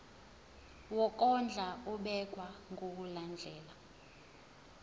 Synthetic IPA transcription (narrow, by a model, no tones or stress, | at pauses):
wɔk̬ʼɔnd͡ɮʱauɓɛk̬ʼwaŋɡok̬uland͡ɮʱɛːla